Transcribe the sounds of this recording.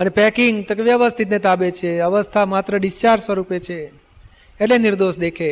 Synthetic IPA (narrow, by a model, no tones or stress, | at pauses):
ənepɛkiŋɡt̪okeʋjəʋəst̪ʰit̪net̪abet͡ʃʰeəʋəst̪ʰamat̪ɾəɖist͡ʃaɾsʋəɾupet͡ʃʰeː | ʈleniɾd̪oʃd̪ekʰe